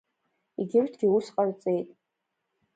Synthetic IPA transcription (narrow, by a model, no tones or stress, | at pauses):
iɡʲɪrtʰɡʲiusqʼart͡sʼe̞jtʼ